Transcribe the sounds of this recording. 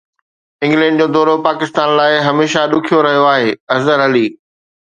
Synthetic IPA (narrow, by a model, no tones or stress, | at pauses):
ɪ̃ŋɡlɛ̃ːɳɖ̚d͡ʑoːd̪ɔːɾopaːkɪst̪aːnlaːɪɦɐmeːʃaɗʊkʰijoɾɐɦijoaːɦeːɐzəɾɐliː